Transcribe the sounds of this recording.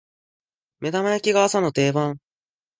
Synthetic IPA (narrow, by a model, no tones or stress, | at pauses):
me̞d̪amajakʲiɡaasano̞t̪e̞ːbãŋ